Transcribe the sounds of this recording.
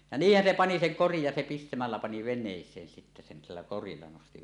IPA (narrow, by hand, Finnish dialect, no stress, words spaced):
jɑ niːhːæn se pɑni seŋ korij jɑ se pistæmælːæ pɑni ʋenˑeˑisˑeːn sitːæ sen silːæ korilːɑ nosti